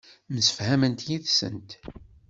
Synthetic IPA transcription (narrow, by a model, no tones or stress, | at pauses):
msə̥fhæmənt̪jiðsə̰nt̪